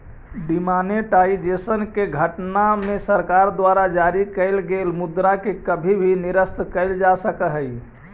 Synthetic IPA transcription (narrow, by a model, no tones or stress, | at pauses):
ɖimaneʈaid͡ʒesənkeɡʱəʈnamesəɾkaɾd̪ʋaɾad͡ʒaɾikəɪlɡelmud̪ɾakekəbʱibʱiniɾəst̪kəɪld͡ʒasəkəɦəj